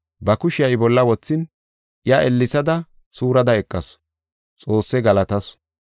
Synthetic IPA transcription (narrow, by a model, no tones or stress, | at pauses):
bɐkʊʃɪjɐjbɔlːɐwɔt͡sːɪn | ɪjaʔɛlːɪsɐd̪ɐ | suːɾɐd̪ɐɛkʼːɐs | t͡sʼo̞ːsːɛɡɐlɐt̪ɐs